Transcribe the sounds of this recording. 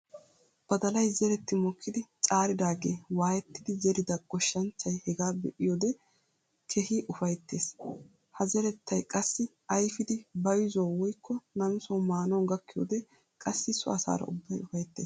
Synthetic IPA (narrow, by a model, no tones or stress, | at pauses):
b̥ɐd̪ɐlɐjzɛɾɛt̪ːɪmɔkʰːɪd̪ɪt͡ʃʼaːɾɪd̪aːɡe̞ːwaːjɛt̪ːɪd̪ɪzɛɾɪd̪ɐɡ̥ɔʃːɐnt͡ʃːɐjhɛɡaːbɛʔɪjoːd̪ɛ | kʰɛhɪʔʊfɐjt̪ːe̞ːs | hɐzɛɾɛt̪ːɐjkʼɐsːɪ | ɐjfɪd̪ɪbɐjzoːwɔjkʰːɔnɐmɪsɔwmaːnɔnɡɐkːɪjo̰ːd̪ɛ | kʼɐsːɪsʊ̰ɐsa̰ːɾɐ̰ʊ̰bːɐjʊfɐjt̪ːḛːs